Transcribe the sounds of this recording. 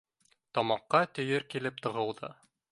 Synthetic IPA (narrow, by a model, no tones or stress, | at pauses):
t̪ɒmɑqːɑt̪ɵ̆jɘɾkilɘp̚t̪ɤ̆ʁɤ̆lˠd̪ɤ̰